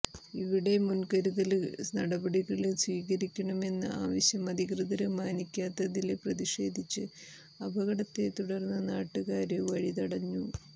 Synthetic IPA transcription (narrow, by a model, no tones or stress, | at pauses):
iʋiɽe̞munkɐɾuðɐlnɐɽɐbɐɽiɣɐɭswiːkɐɾikʲːɐɳɐme̞nːɨ̰ʔa̰ːʋɐɕjɐmɐd̪ʱiɣrɨðɐlɨmaːnikʲːaːt̪ːɐðileprɐðiʂe̞̰ːd̪ʱit͡ɕːɨ | ɐbʱɐɣɐɽɐt̪ːe̞t̪uɽɐrnːɐnaːʈːuɣaːɾeʋɐɻit̪ɐɽɐɲːu